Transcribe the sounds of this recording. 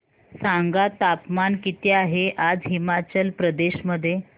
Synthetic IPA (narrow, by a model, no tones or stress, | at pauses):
saŋɡat̪apmankit̪eaɦeʔad͡zɦimat͡ɕəlpɾəd̪eɕməd̪ʱːje